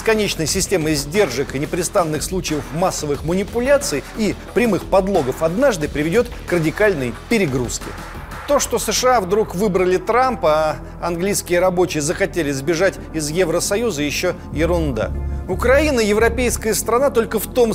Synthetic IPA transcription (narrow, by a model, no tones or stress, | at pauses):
skɐnʲet͡ɕnəjsʲɪsʲtʲe̞məzʲdʲe̞rʐɨkɨnʲɪpɾʲɪst̪anːɨxslˠut͡ɕɪjəfmasːəvɨxmənʲɪpʊlʲat̪sɨjipɾʲɪmɨxpɐd̪lˠo̞ɡəfɐd̪naʐd̪ɨpɾʲɪvʲɪdʲo̞t̪krədʲɪkalʲnɨjpʲɪɾʲɪɡɾṵskʲɪ̰ | t̪o̞ʂt̪o̞səʂɨavd̪ɾukvɨbɾəlʲɪt̪ɾampəa | ɐnɡlʲijskʲɪjəɾɐbo̞t͡ɕɪjəzəxɐtʲelʲɪzbʲɪʐatʲɪzjevɾəsɐjuzəjɪɕːo | jɪɾʊnd̪a̰ʊkɾɐinəjɪvɾɐpʲejskəjəst̪ɾɐnat̪o̞lʲkəft̪o̞m